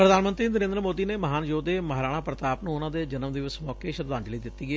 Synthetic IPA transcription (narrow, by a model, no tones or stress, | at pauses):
pɾəd̪aːnmə̃nt̪ɾiːnəɾẽːnd̪ɾəmoːd̪iːneːməɦaːnd͡ʒoːd̪eːməɦɾaːɽ̃ãːpɾət̪aːpnũːʊnãːd̪eːd͡ʒənəmd̪ɪʋɪsmɔːkeːʃəɾd̪aːnd͡ʒələiːd̪ɪt̪ːiːɡeː